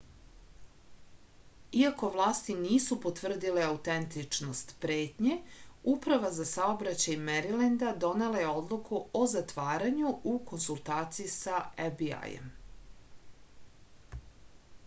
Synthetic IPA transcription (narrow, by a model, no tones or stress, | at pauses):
iako̞ʋlˠaːst̪iniːsupo̞t̪ʋr̩d̪ileaut̪ent̪it͡ʂno̞st̪pɾe̞ːt̪ɲe̞upɾaʋazasaobɾat͡ɕajmeɾilend̪ad̪o̞ne̞laje̞o̞d̪lˠukʰuozat̪ʋaːɾaɲuuko̞nsulˠt̪aːt̪sijisaebia̰jḛm